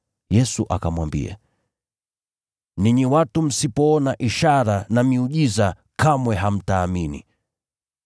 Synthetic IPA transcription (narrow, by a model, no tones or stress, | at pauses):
jɛsuʔakamwambḭa̰ | niɲiwatum̩sipɔɔnaʔiʃaɾanamiuʄiza | kamwɛɦam̩taːminḭ